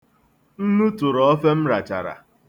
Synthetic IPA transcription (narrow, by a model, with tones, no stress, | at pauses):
n̩˦nu˦tu˨ɾɔ˦ɔ˦fe˦m̩˦ɾa˨t͡ʃa̰˨ɾa̰˨